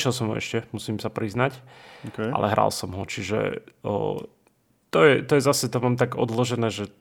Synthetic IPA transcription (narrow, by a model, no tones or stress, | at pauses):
ʃɛlˠsɔmɦɔ̰ɛ̰ʃcɛmusiːmsapɾiznacɔkʔa̰lʔɛɦɾʔa̰lsɔmɦɔt͡ʃiʒɛ̰ | t̪ɔjɛt̪ɔjɛzasɛt̪ɔmaːmt̪aɡɔd̪lɔʒɛnɛːʒɛ